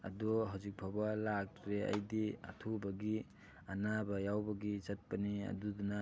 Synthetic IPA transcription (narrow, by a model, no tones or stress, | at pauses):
ɐ̰dɔɦawzik̚bʰʱabalak̚tɾeɐ̰jdiɐ̰tʰubɐɡi | anabɐjawbɐɡizɐt̚pɐniɐ̰duduna